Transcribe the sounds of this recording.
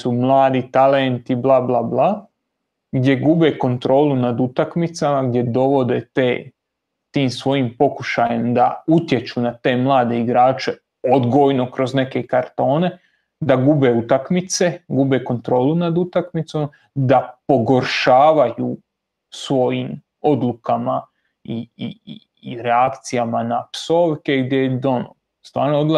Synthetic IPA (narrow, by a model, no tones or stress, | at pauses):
sumlˠaːd̪it̪alent̪iblˠablˠabla | ɡd̪je̞ɡube̞ko̞nt̪ɾo̞ːlunad̪ut̪akmit̪samaɡd̪je̞d̪o̞ʋo̞d̪e̞t̪eː | t̪iːmsʋo̞jimpo̞kuʃajemd̪aut̪je̞t͡ʃunat̪e̞mlˠaːd̪e̞iɡɾaːt͡ʃe̞ | od̪ɡojno̞kɾo̞zne̞ke̞kaɾt̪o̞ːne̞ | d̪aɡube̞ut̪akmit̪se̞ɡube̞ko̞nt̪ɾo̞ːlunad̪ut̪akmit̪som | d̪apo̞ɡo̞ɾʃaːʋaju | sʋo̞jiːm | o̞d̪lˠukama | iii | ɾeakt̪sijamanapso̞ːʋke̞ɡd̪jejed̪o̞no | st̪ʋaːɾnood̪lˠa